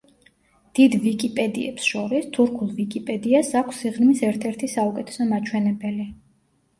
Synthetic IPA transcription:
d̪̥id̪vikʼipʼɛd̪ḭɛ̰psʃɔɾist̪ʰuɾkʰulˠvikʼipʼɛd̪iasakʷʰsiʁnmisɛɾt̪ʰɛɾt̪ʰisaukʼɛt̪ʰɛ̥sɔmat͡ʃʰwɛnɛbɛli

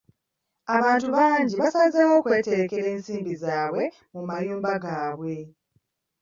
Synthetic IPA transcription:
aβaːntuβaːɲɟiβasazawo̞ːkwe̞ːte̞ɾe̞ke̞ɾe̞ːnsiːmbizaːwe̞ | mumajuːmbaɡaːβwe̞

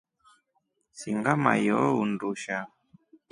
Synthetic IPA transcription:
siŋɡama̰jɔunduʃa

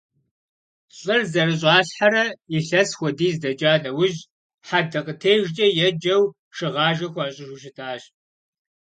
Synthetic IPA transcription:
ɕʼɨrzɐrɨɕ̬ʼɑːɬħaɾɐiɬɐsxʷɔdiːzdɐd͡ʒʼaːnɐwʊʑ | ħadɐqʼətʰeːjʒd͡ʒʼɐjɛd͡ʒɐw | ʂɨʁɑːʒɐxʷɑːɕʼɪʃuʃ̬ɪtʰaːɕ

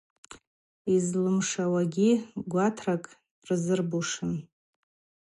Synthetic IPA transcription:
izlɨmʂawaɡʲiɡʷatʰrakʼ | rzɨrbuʂɨn

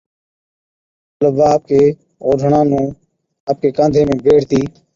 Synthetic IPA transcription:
ləbaːəp̚keː | oːɖʱəɳãːnũː | əp̚keːkãːnd̪ʱeːmẽːbʱeːɽt̪iː

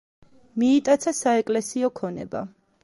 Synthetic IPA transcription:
miːt̪ʼat̪sʰasaɛkʼlɛsiɔkʰɔnɛ̰ba̰

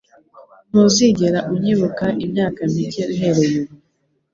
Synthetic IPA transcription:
nuziɟeɾaʔumɲiβukaʔimɲaːkamiceniɦeɾejuɾu

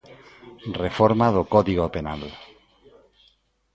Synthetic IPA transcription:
refoɾmaðokoðiɣopenal

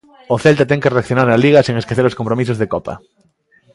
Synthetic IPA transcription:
oθelt̪at̪ɛŋkereakθjonaɾaliɣ̞asiŋeskeθeɾoskompɾomis̬ozðekopa̰

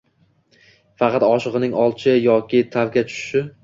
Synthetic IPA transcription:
fɑqɑt̪ɒʃɨʁɨnɪŋɒlˠt͡ʃʰɪjɒkʲɪt̪ʰavɡʲat͡ʃʰʊ̥ʃʃɪ

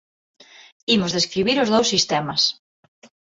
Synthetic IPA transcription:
imʊzðeskɾiβ̞iɾʊzðowsːist̪ɛmɐs

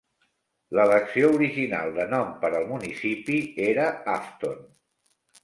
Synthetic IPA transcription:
lələksiouɾiʒina̰lˠd̪ənɔmpəɾəlˠmunisipieɾəaft̪on

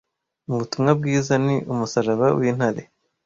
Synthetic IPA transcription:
uuβutumŋab̚ɡiːzaniʔumusaɾaβawiːn̥haɾḛ

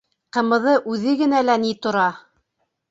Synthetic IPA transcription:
qɤ̆mɤ̆ðɤʔʉðɘɡɘ̆nælænit̪ŏɾɑ

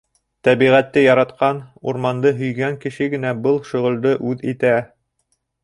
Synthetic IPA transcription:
t̪æβiʁæt̪ːɘjɑɾɑt̪qɑnṵɾmɑnd̪ɤɦɵ̆jɡæŋkɘ̆ʃɘɡɘ̆næbɤlˠʃŏʁɤ̆lˠd̪ɤʔʉðit̪æ

